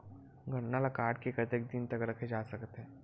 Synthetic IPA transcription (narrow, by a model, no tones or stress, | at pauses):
ɡʱəɳnalakaːʈ̚kekɐt̪ek̚d̪ɪnt̪ɐkɾɐkʰed͡ʒaːsɐkət̪ɦɛ̃ː